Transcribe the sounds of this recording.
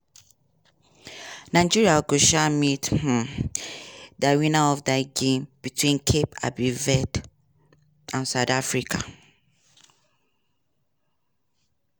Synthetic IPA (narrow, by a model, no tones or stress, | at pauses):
naɪd͡ʒiɹiaɡoʃamitm̩ | dawĩnaɔvdaɪɡẽmb̥itwĩnkʰepa̰bivɛd | ãnsaʊdafɹikʰa